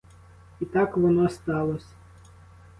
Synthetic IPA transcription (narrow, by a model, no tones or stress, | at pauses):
it̪ɑkʋɔnɔst̪ɑlˠɔsʲ